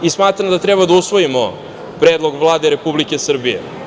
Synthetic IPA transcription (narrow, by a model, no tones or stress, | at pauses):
ismaːt̪ɾand̪at̪ɾebad̪ausʋojimo | pɾeːd̪lˠo̞ɡvlˠaːd̪e̞ɾe̞publikesr̩bijḛ